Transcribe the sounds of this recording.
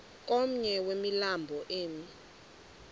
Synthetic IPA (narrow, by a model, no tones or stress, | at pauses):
k̬ʼom̩ɲɛwemilambʱɔʔeːmi